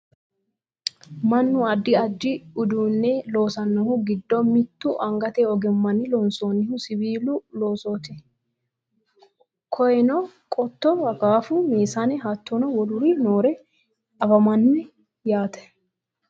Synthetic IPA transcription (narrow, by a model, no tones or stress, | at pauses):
mɐnːʊɐd̪ːɪɐd̪ːɪʊd̪uːnːɛlo̞ːsɐnːɐhʊɡɪd̪ːɔmɪt̪ːʊʔɐŋɡɐt̪ɛɔɡɛmːɐnːɪlɔnsoːnːɪhʊsɪβiːlʊlo̞ːsoːt̪ɪ | kʰɔjɛnɔkʼɔt̪ːɔhɐɡaːfʊmeːsanɛɦɐt̪ːɔnɐwɔlʊɾinoːɾɛ | ɐfɐmɐnːɛ | jaːt̪ɛ̥